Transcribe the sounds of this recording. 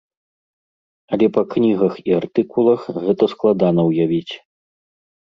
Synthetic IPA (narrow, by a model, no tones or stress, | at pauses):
ɐlʲɛpɐknʲiɣɐxiart̪ɨkulˠɐxɣɛt̪ɐsklˠad̪anɐwjavʲit͡sʲ